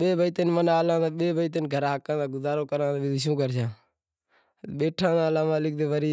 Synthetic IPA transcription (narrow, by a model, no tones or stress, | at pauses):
ɓeːbʱəit̪enmənaːlãːaːɓeːbəit̪̬enɡʱəɾãːkãːd̪ãːɡʊzaːɾoːkəɾãːaːbɪd̪ʃũːɡəɾt͡ʃʰãː | ɓeːʈʰãːd̪aːlãːmaːlɪk̚d̪eːʋəɾiː